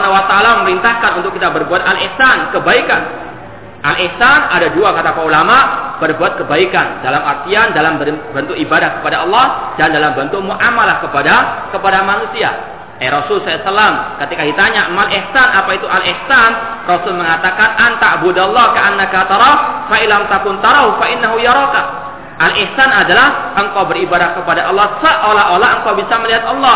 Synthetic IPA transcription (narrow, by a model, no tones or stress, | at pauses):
nawat̪aalaməməɾint̪ahkanunt̪ʊkːit̪abərbuat̪alʔihsankəbaikan | ʔalʔihsanadaduakat̪apəulamaʔb̥ərbuat̪̚kəbaikandalamart̪iandalambəbənt̪uʔibadahkə̥padaɔlˠːɑhdandalambənt̪umuʔamalahkəpadakəpadamanusia̰ | ʔɛɾɔsʊlsɔlasalamkət̪ikadit̪aɲaʔmalʔihsanapait̪uʔalʔɪhsan | rɔsʊlməŋat̪akanʔant̪abudalːɑkaʔanːakat̪ɑɾˤɑfailamt̪akʊnt̪aɾˤawfaʔɪnːaɦujaɾˤɔka | ʔalʔɪhsanadalahʔəŋkawbəɾibadahkəpadaʔɔlˠːɑhsəʔolaʔolaəŋkawbisaməliɦat̪̚ɑlːɑ